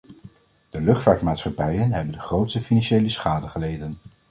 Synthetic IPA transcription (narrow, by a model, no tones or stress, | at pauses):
d̥əlɵχtfaːɹtmaːtsχɑpɛjənɦɛbəndəχrowtstəfinɑnʃejləsχaːdəχəlejdən